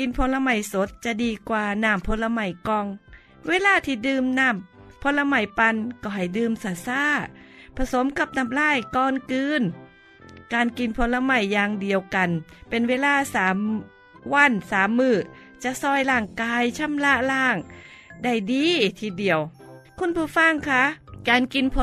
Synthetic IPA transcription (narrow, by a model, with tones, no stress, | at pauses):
ki˧npʰo˧˥nla˧ma˧˩jso˨˦t̪̚t͡ɕa˧˨diː˧kwaː˧naː˧˩mpʰo˧˦la˧ma˧˩jkɔː˧ŋ | weː˧˥˨laː˧˥˩t̪ʰiː˧˩dɯː˧mnaː˧˩mpʰo˧˥nla˧ma˧˩jpa˧nkɔː˧˩ɦa˨˩jdɯː˧msaː˧˩saː˧˥˩pʰa˧so˨˦mka˧˩p̚na˧˩mlaː˧˥˨jkɔː˧nkɯː˧n | kaː˧nki˨˧˩npʰo˧˥nla˧ma˧˩jːaː˧ŋdi˨əwka˨npe˧nweː˧˥˨laː˧˥˩saː˨˦m | wa˧˥˨nsaː˨˦mːɯː˧˩ | t͡ɕa˧sɔː˧˩jlaː˧˩ŋkaː˧jt͡ɕʰa˧˥˨mla˧˥ʔlaː˧˥˩ŋda˧˩jdiː˧t̪ʰiː˧di˨əwkʰu˧˥˨npʰuː˧˩fa˧˥˨ŋkʰa˧˥kaː˨˧nki˨˧npʰ